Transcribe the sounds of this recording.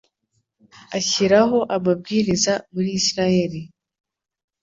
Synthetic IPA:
aɕiɾaɦo̞ʔamab̚ɡiːɾizamuɾisɾajeɾi

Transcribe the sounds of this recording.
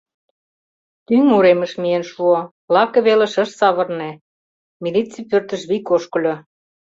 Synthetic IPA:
t̪yŋuɾemə̆ʃmienʃuo | lɑkɤβelĕʃə̆ʃsɑβɤ̆rne | milit͡sipørt̪ə̆ʃβikoʃkə̆lʲo

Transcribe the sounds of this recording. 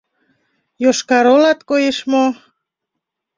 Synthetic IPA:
joʃkɑɾolɑt̪kojeʃmo

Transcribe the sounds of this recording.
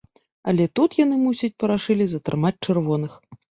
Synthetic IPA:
ɐ̰lʲɛt̪ut̪jan̪ɨmusʲɐt͡sʲpɐɾaʂɨlʲizɐt̪ɾɨmat͡sʲt͡ʂɨrvɔn̪ɨx

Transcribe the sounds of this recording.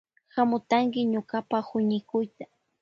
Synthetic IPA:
xamʊt̪aŋkɪɲokapahʊɲɪkʊjt̪ḁ

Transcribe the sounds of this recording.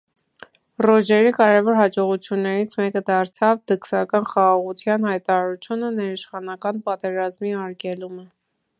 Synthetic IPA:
rɔd͡ʒɛɾikɑɾɛvɔɾɦɑd͡ʒɔʁut͡sʰjunːɛɾit͡sʰmɛkəd̪ɑɾt͡sʰɑvd̪əksɑkɑnχɑʁɑʁut̪ʰjɑnhɑjt̪ɑɾɑɾut͡sʰjunənɛɾiʃχɑnɑkɑnpɑt̪ɛɾɑzmiɑɾkɛlumə

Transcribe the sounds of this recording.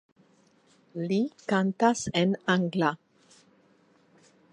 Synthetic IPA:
likant̪asenaŋɡla

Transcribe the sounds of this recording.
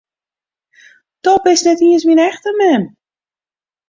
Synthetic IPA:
tɔpɪsnɛtiənsminɛxtəmɛm

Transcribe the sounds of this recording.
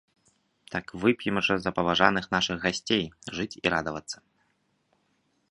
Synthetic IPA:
t̪akvɨpʲjɛmʐɐzɐpɐvaʐanɨxn̪aʂɨɣɣasʲt͡sʲejʐɨt͡sʲḭɾad̪ɐvɐt̪sːɐ̥

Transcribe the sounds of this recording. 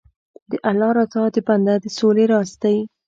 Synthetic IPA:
d̪əʔalɑɾat̪ɑd̪əpand̪ad̪əsoleɾɑst̪ai

